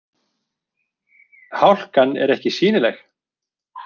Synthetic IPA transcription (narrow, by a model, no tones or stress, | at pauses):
hawl̥kanːɛ̰ɾɛhcɪsiːnɪlɛx